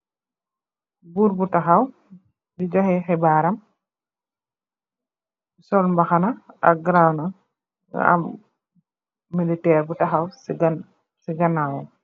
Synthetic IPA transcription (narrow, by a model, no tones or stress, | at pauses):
buɾbutaxaw | did͡ʒɔhɛxɛbaːɾam | sɔlmbaxanaʔa̰ɡɾawna̰ | a̰m | ilitɛːɾbutaxawsɡn | siɡanawɔ